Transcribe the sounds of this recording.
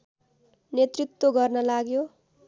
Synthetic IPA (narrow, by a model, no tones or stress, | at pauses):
net̪rit̪woɡʌrnʌlaɡjo